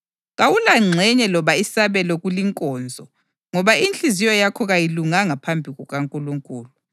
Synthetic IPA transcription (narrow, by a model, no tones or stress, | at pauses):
ɣawulaŋ͡ǀʱɛɲɛlɔβaisaβɛlɔɣuliŋkʼɔːnd͡zʱɔ | ŋɔβaint͡ɬizijɔjakʰɔɣajiluŋaŋapʰambʱiɣɔɣaŋkʼuluŋkʼuːlu